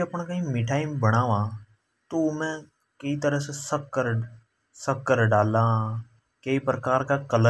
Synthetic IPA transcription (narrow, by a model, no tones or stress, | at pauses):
ɐpɳ̃kɐĩːmɪʈʰaːɪmbɐɽ̃aːʋãː | t̪omɛ̃ | kɐit̪əɾəɦsesɐkkəɾ | sɐkːəɾɖaːlãː | kɐipɾkaːɾkakɐlə